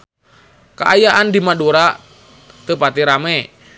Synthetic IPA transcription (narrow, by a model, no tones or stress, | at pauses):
ka̰ajaʔandimaduɾa | t̪əpat̪iɾamɛ